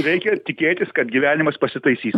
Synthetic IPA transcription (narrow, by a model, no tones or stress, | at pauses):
ɾʲɛɪkʲɛt̪ʲɪkʲeːt̪ʲɪskɐt̪ɡʲiʋʲæːnʲɪmɐspɐsʲɪt̪ɐɪsʲiːs